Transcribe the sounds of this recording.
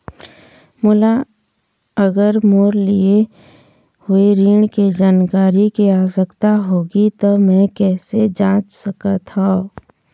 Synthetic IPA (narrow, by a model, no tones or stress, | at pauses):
mʊla | əɡəɾmoːɾlie | hʊeɾiːɳ̃ked͡ʒaːnkaːɾikiaːsəkt̪aɦoːɡit̪omɛ̃kɛːsed͡ʒãːt͡ʃsəkat̪ʰaː